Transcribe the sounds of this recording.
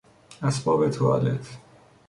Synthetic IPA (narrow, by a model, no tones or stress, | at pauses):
æsbɒːbet̪ʰoɒ̰let̪ʰ